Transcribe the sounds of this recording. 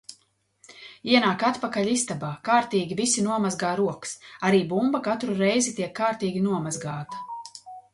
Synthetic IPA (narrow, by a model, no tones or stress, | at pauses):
iɛnaːkat̪pakaʎʲist̪abaːkaːɾt̪iːɡʲivisinuɔmazɡaːɾuɔksaɾiːbumbɐkat̪ɾuɾɛjzit̪iɛkʰːaːɾt̪iːɡʲinuɔmazɡaːt̪ɐ̥